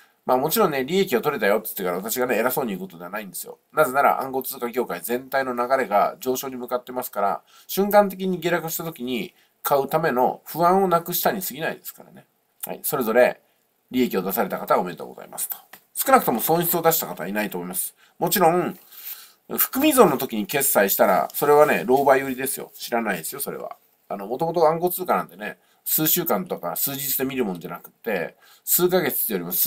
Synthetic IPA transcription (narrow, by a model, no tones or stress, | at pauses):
maːmo̞t͡ɕiɾõ̞nne̞ɾʲie̞kʲio̞t̪o̞ɾe̞t̪ajo̞t̪ːɨ̥t̪ːe̞kaɾaβat̪aɕiɡane̞eɾaso̞ːɲ̟iɯ̟ko̞t̪o̞d̪eanaĩnd̪e̞sɨjo̞̰naze̞naɾa̰ʔã̰ŋɡo̞t͡sɨːkakʲo̞ːkaizẽ̞nt̪aino̞naɡaɾe̞ɡa̰d͡ʑo̞ːɕo̞ːɲ̟imɯ̟kat̪ːe̞masɨ̥kaɾa̰ | ɕɨ̃ŋkãnt̪̬e̞k̬ʲiɲ̟iɡʲeɾakɯ̟ɕi̥t̪at̪o̞kʲiɲ̟i | kʰaɯ̟t̪ame̞no̞̰ɸɯ̟ãɰ̃o̞nakɯ̟ɕi̥t̪aɲ̟isɨɡʲinaḭd̪e̞sɨ̥kaɾa̰ne̞ | ha̰ḭso̞ɾe̞zo̞ɾe̞ | ɾʲie̞kʲio̞d̪asaɾe̞t̪akat̪aome̞et̪o̰ɡoza̰ḭma̰sɨ̥t̪o̥ | sɨ̥kɯnakɯ̟t̪o̞mo̞sõ̞ɰ̃çɕi̥t͡sɨo̞d̪aɕi̥t̪akat̪ainait̪oːmo̞imasɨ̥ | mo̞t͡ɕiɾõ̞ŋ | ɸɯ̟̥kɯ̟mʲizõ̞nːo̞t̪o̞kʲiɲ̟ike̞sːaiɕi̥t̪aɾa̰so̞ɾe̞β̞ane̞ɾo̞ːbaioɾʲid̪e̞sɨjo̞̰ɕiɾanaid̪esɨjo̞so̞ɾe̞̰βa̰ | ano̞mo̞t̪o̞mot̪oɡãŋɡo̞t͡sɨːkanãnt̪e̞ne̞̰ | sɨːɕɨːkãnt̪o̞kasɨːd͡ʑit͡sɨd̪e̞mʲiɾɯ̟mõ̞no̞d͡ʑanakɯ̟̥t̪ːe̞ | sɨːkaɡe̞t͡sɨ̥t̪ːeoɾimasɨ̥